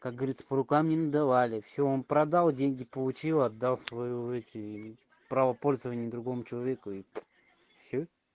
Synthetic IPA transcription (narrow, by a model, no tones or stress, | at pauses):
kak̚ɡəvɐɾʲit̪sə̥pəɾʊkamnʲɪnəd̪ɐvalʲɪfsʲoonpɾɐd̪alˠdʲenʲɡʲɪpəlˠʊt͡ɕilˠɐd̪ːalˠsvɐjuɛt̪ʲɪ | pɾavəpo̞lʲzəvənʲɪəd̪ɾʊɡo̞mʊt͡ɕɪlˠɐvʲekʊi | fsʲo